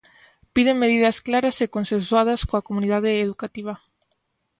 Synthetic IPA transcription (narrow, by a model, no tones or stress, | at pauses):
piðeŋmeð̞iðɐsklaɾɐsekonsẽnswað̞ɐskoakomuniðaðeːðukat̪iβ̞ɐ